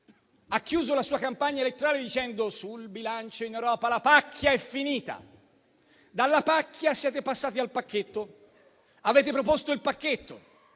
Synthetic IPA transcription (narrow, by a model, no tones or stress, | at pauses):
ak̟ːjuːzolasuːakampaɲːaelet̪ːoɾaːled̪it͡ʃɛnd̪osulbilant͡ʃoinewɾɔːpalapakʰːjaɛfːiniːt̪a̰ | d̪alːapakːjasjɛːt̪epasːaːt̪ialpakːet̪ːo | aveːt̪̬epɾopost̪oilpakːet̪ːo